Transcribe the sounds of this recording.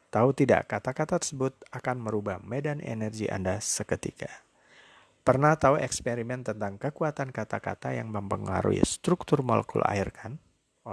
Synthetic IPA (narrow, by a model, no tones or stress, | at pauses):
t̪aut̪ida̰ʔkat̪akat̪at̪ərsəbʊt̪̚akanməɾubahmedanʔḛnɛrɡiʔa̰ndasəkət̪ḭkʰa | pərnaht̪auɛkspeɾimɛnt̪ənt̪aŋkəkuat̪ankat̪aka̰t̪ajaŋməmpəŋa̰ɾṵḭst̪ɾuk̚t̪ʊrmolɛ̰kṵla̰irkʰan